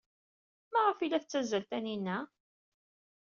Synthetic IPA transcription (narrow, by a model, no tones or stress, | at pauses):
mæʁəfilːæθət͡sːæzælt̪æninːæ